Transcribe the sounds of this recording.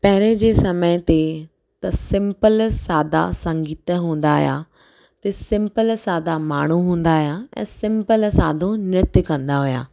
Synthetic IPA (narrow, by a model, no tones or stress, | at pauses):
pɐɦɪɾ̃ed͡ʑeːsɐməɪt̪e | t̪ɐsɪ̃mpəlsaːd̪a̰sɐ̃ŋɡiːt̪ɦũːn̆d̪aɦʊ̰ja̰ | t̪esɪ̃mpəlsaːd̪amaːɳ̤uɦũːn̆d̪aɦʊjaɛ̰̃ːsɪ̃mpəlsaːd̪ʱõnɪt̪kɐ̃nd̪aɦʊja̰ː